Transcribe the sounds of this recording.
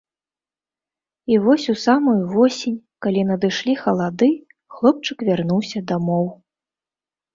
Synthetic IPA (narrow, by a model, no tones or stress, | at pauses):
ivɔsʲusamujuvɔsʲinʲ | kalʲinɐd̪ɨʂlʲixɐlˠad̪ɨ | xlˠɔp̚t͡ʂɨkvʲarnuwsʲɐd̪amɔw